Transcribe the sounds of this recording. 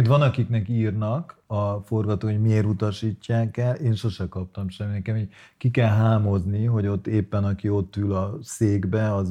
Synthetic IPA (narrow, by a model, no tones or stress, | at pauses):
t̪ʋɒnɒkiknɛkiːrnɒkɒfo̞rɡɒt̪oːkhoɟmieːɾut̪ɒʃiːcːaːkɛleːnʃo̞ʃɛkɒp̚t̪ɒmʃɛmːinɛkɛmi | kikɛlɦaːmo̞zniɦo̞ɟo̞t̪ːeːpːɛnɒkio̞t̪ːylɒseːɡbɛɒ